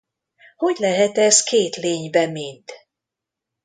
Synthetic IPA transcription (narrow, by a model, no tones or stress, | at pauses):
ho̞ɟlɛɦɛt̪ɛskeːt̪leːɲbɛmint̪